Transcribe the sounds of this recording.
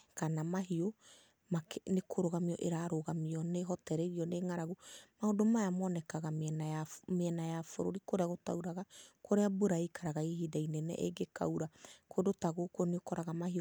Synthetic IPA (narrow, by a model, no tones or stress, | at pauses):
kanamaɦio | maknekʰoɾoɣamiɔʔeɾaɾoɣamiɔneɦɔtɛɾɛɾiɔneŋaɾaɣomaodomajamɔnɛkaɣamnaameɛnajafoɾo̰ɾikoɾeaɣotauɾaɣakʰoɾeabuɾaikʰaɾaɣaihidainɛnɛ̰ʔeɡeka̰uɾakodotaɣokoniokɔɾaɣamahio